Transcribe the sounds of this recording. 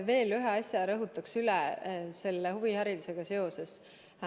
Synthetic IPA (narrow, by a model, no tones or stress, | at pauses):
ve̞ːlyɦe̞ɑsʲjɑɾɤɦut̪ːˑɑksylese̞lːeɦhuvihæɾid̪useɡ̥ɑse̞o̞se̞s